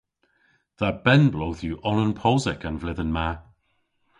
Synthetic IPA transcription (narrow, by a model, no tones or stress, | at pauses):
ðab̥ɛnblowθjuʔɔlə̃npʰɔzɪkə̃nvlɪðənma